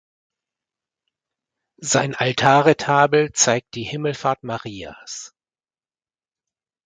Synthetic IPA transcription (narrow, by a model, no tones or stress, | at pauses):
zaɪnʔaltʰaːʁetʰaːbl̩t͡saɪk̚t̚d̥iːhɪml̩faɐtmaʁiːa̰s